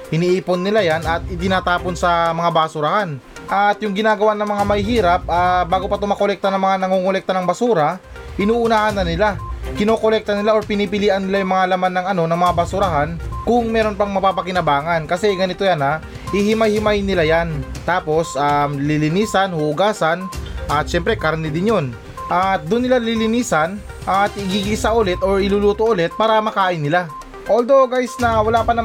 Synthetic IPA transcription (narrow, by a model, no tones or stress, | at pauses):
hɪniʔiːpo̞nːɪlajanɐt̪̚ɪt̪ɪnaːt̪aːponsɐmɐŋabasuɾɐhanʔat̪jʊŋɡɪnaːɡɐwanɐŋmɐŋamɐhɪhiːɾɐp̚ʔabaːɡo̞pɐt̪omɐko̞lɛk̚t̪ɐnɐŋmɐŋanɐŋukolɛk̚t̪ɐnɐŋbɐsuːɾa | ɪnuːʔʊnaːhɐnːɐnɪlakɪno̞ːkolɛk̚t̪ɐnɪlaʔo̞ɾpɪniːpɪliːʔɐnːɪlajʊŋmɐŋalɐmanːɐŋɐno̞nɐŋmɐŋabɐsuɾɐɦankʊŋmɛːɾo̞npɐŋmɐpaːpɐkɪnɐbaːŋankɐsɛɡɐnɪt̪o̞jana | hɪhɪmajhɪmajnɪlajant̪aːpo̞sʔamlɪlɪniːsɐnhuʔʊɡaːsɐnʔɐt̪̚ʃɛmpɾɛkɐɾɐnɪd̪ɪnjo̞n | ʔat̪̚d̪ʊnːɪlalɪlɪniːsɐn | ʔat̪ɪɡiɡisɐʔʊlɛt̪o̞ɹɪluluːt̪oʔʊlɛt̪̚paːɾɐmɐkaːʔɪnːɪla | ʔoːld̪o̞ɡajsnɐwɐlaːpɐnɐ